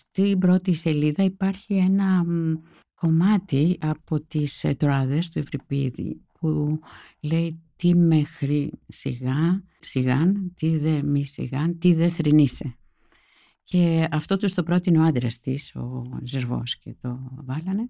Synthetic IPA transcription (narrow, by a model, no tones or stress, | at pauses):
st̪ibɾo̞t̪ise̞liðɐipɐɾçie̞nɐ | ko̞mɐt̪iɐpo̞t̪ist̪ɾoɐðe̞st̪uevɾipḭðḭpu | le̞it̪imexɾisḭɣɐ | siɣɐnt̪iðemisḭɣɐnt̪iðe̞θɾinise | ce̞ɐft̪o̞t̪ust̪o̞pɾo̞t̪ineɐnd̪ɾɐst̪iso̞̰zeɾvo̞̰scḛt̪o̞vɐlɐne̞